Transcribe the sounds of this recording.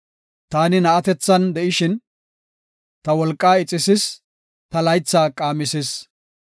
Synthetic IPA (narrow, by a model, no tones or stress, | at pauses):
t̪aːnɪnɐʔɐt̪ɛt͡sːɐnd̪ɛʔɪʃɪn | t̪ɐwɔlkʼːaːɪt͡sʼːɪsɪs | t̪ɐlɐjt͡sːaːkʼaːmɪsɪs